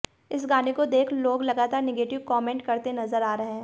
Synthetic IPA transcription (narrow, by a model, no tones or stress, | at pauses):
ɪs̬ɡaːnekod̪eːkʰloːɡlɐɡaːt̪aːɾnɪɡeːʈɪʋkɔːmẽːɳʈkɐɾt̪enɐzəɾaːɾɐɦeɦɛ̃ː